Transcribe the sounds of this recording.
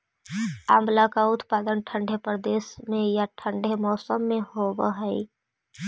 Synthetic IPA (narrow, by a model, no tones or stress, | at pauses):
a̰ːmlakaʊt̪paːd̪ənʈʰə̃ɳɖʱepəɾd̪eːsmẽjaʈʰə̃ɳɖʱemɔːsəmːẽhobəɦɛi